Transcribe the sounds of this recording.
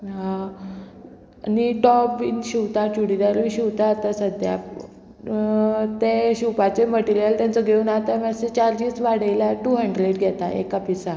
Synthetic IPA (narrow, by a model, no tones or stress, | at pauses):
a | niʈɔpʋinɕiwt̪at͡ɕuɽid̪aɾʋiɕiwt̪at̪əsəd̪ʱja̰ | t̪eɕupat͡ɕeməʈiɾijəlt̪jãnt͡səɡʱeuːnaɦt̪amaset͡ɕaɾd͡ʑisʋaɽəjlaʈuːɦə̃ɳɖleʈɡʱɛt̪aʔḛkapisa